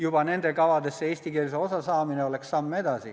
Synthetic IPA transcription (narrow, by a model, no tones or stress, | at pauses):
jubɑnend̪ekɑʋɑt̪esseist̪ikerseosɑsɑːmineolekssɑmmet̪ɑsi